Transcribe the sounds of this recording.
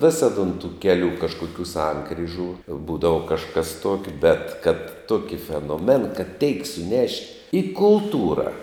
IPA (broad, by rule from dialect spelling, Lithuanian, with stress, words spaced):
ˈʋʲɪsɐt ʊn tuː ˈkʲæːˌlʲuː kɐʃˈkʊkʲuː ˈsɐŋkrʲiːʒuː ˈbuːdɐʋɐ kɐʃˈkɐs ˈtuɔkʲɛ bʲɛt kɐt ˈtoːkʲɪ fʲɛnoːˈmʲɛn kɐt tʲɛɪk sʊˈnʲɛʃʲtʲ ɪ kʊlˠˈtuːrɐ